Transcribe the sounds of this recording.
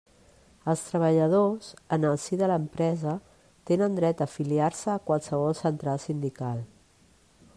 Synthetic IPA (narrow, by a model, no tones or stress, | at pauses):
əlˠst̪ɾəβ̞əʎəð̞ozənəlˠsiðələmpɾɛzə | t̪enənd̪ɾɛt̪əfiliaɾsəːkwalˠsəβɔlˠsənt̪ɾalˠsind̪ikalˠ